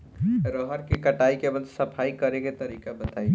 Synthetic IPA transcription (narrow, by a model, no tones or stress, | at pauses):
ɾəɦəɾkekəʈaikebəlsəpʰaikəɾeket̪əɾiːkabət̪ai